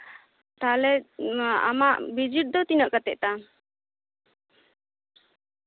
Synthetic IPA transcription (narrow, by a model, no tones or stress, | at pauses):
t̪alɛ | a̰maʔbid͡ʒiʈ̚d̪ɔt̪inəʔkat̪ɛʔ̚t̪a